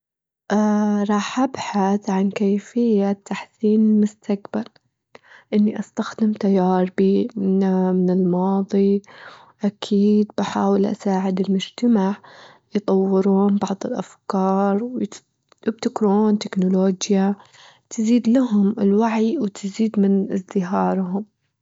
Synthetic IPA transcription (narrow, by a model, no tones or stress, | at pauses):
ʔɾˤɑːħʔabħaθʕankajfɪjːat̪ʰːaħsiːnmʊst̪ʰakbal | ʔɪnːiʔast̪axd̪ɪmt̪ajːɑːɾˤbi | mɪnɪlmɑːðˤi | ʔakʰiːd̪̚baħaːwɪlʔa̰saːʕɪd̪ɪlmʊd͡ʒt̪amaʕ | jt̪ˤɑwːɪɾuːnbɑʕðˤɪlʔafkɑːɾˤw | b̚t̪ɪkɾuːnt̪ɪknʊloːd͡ʒja | t̪ziːd̪laɦʊmɪlwaʕiwt̪ɪziːd̪mɪnʔɪzd̪ɪɦɑːɾˤɦʊm